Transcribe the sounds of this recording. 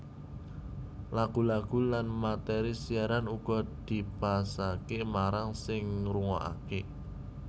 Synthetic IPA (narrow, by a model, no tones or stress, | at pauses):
laɡ̥ṳlaɡ̥ṳlanmat̪ɛɾisiaɾanuɡ̥ɔ̤d̪̥i̤pasakemaɾaŋsɪŋɾuŋɔʔa̰ke